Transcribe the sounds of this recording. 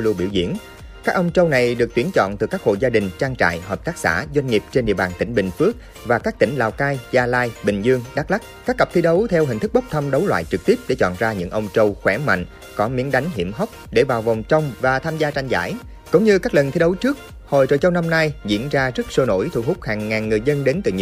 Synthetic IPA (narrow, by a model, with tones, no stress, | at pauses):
lu˧ɓḭ˧˩wzḭ˧˩əŋ | kaː˦˥k̚ʔə˧wŋ͡mt͡ɕə˧wna˨˩jɗɨ˨˩ək̚t̪wi˨˦ənt͡ɕɔ̰˧˨nt̪ɨ˨˩kaː˦˥k̚ho̰˧˨jzaː˧ɗï˨˩ŋ̟t͡ɕaː˧ŋt͡ɕa̰ː˧˨jɦəː˨˩p̚t̪aː˦˥k̚sa̰ː˧˥zwa˧jŋ̟ŋi˨˩p̚t͡ɕe˧nɗḭ˧˨əɓaː˨˩nt̪ï˧˩ŋ̟ɓï˨˩ŋ̟fɨ˦˥ək̚ | vaː˨˩kaː˦˥k̚t̪ï˧˩ŋ̟laː˨˩wkaː˧jzaː˧laː˧jɓï˨˩ŋ̟zɨ˧əŋɗaː˦˥k̚la˦˥k̚kaː˦˥k̚ːa˨˩p̚t̪ʰi˨˦ɗə˨˦wt̪ʰɛ˧wɦï˨˩ŋt̪ɨ˦˥k̚ɓə˦˥k͡p̚t̪ʰə˧mɗə˨˦wlwa̰ː˧˨jt͡ɕɨ˨˩k̚t̪i˦˥əp̚ɗḛ˧˩t͡ɕɔ̰˧˨nzaː˧ɲɨ̰˧˥ŋʔə˧wŋ͡mt͡ɕə˧wxwɛ˧˦ma̰˧˨jŋ̟ | kɔ˨˦mi˨˦ənɗa˨˦jŋ̟ɦḭ˧˩əmɦa˦˥wk͡p̚ɗe˧˩vaː˨˩wva˨˩wŋ͡mt͡ɕə˧wŋ͡mvaː˨˩t̪ʰaː˧mzaː˧t͡ɕa˧jŋ̟za̰ː˧˥˩j | kʊ̰˧˥ŋ͡mɲɨ˧kaː˦˥k̚lə˨˩nt̪ʰi˨˦ɗə˨˦wt͡ɕɨ˦˥ək̚ | ho˨jt͡ɕo̰˧˨˩t͡ɕə˧wna˧mna˧jzḭ˧˥ənzaː˧zə˦˥k̚so˧no̰˧˥jt̪ʰṵ˧˩ɦʊ˦˥k͡p̚haː˨˩ŋːaː˨˩nːɨ˨˩əjzə˧nɗe˨˦nt̪ɨ̰˨˩ɲ˧˩˦